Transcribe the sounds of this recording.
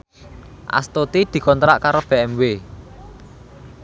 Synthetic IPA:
ʔa̰st̪ot̪id̪̥i̤kɔnt̪ɾa̰ʔkaɾob̥e̤ɛmwe

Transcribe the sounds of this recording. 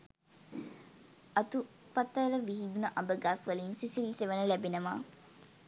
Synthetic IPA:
ɐt̪u | pɐt̪ːɐɾəʋiɦid̪unəʔɐmbəɡaːsʋəlinsisiliːseʋənəlæbenəʋa̰ː

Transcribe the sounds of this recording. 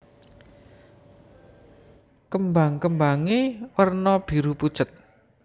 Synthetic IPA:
kəmbaŋkəmbaŋewərnɔb̥i̤ɾupud̥ʒ̥ət̪̚

